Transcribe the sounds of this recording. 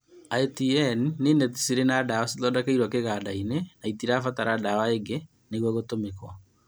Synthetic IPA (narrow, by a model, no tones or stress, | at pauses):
aetiɛnːenɛti̥siɾenadawasitɔdakaiɾwakeɣadainenaitiɾafataɾadawaeŋɡe | neɣwaɣotomekwa